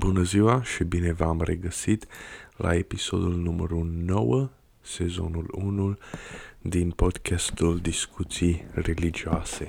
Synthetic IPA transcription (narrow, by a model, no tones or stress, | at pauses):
bunəziwaʃibine̞vamreɡəsit̪lʔa̰e̞piso̞d̪ulnuməɾuno̞wə | se̞zo̞̰nulunu | d̪inpo̞d̪kʰʲast̪uld̪iskʰut̪sijre̞lid͡ʒioase̞